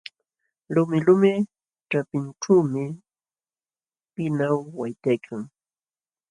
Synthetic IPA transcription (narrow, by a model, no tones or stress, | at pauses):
lʊmɪlʊmɪ | ʈ͡ʂapɪnʈ͡ʂaːmɪ | pɪnawːajt̪ajkʰaŋ